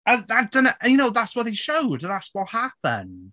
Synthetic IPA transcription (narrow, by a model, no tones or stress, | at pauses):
əðad̥ənəʔjənoʊðatswɔt̚ðeʃoʊdðatswɔhapə̰̃n